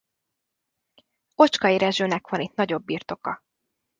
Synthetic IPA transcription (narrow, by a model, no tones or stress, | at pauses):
o̞t͡ʃkɒiɾɛʒøːnɛkʋɒnit̪nɒɟo̞bːirt̪o̞kɒ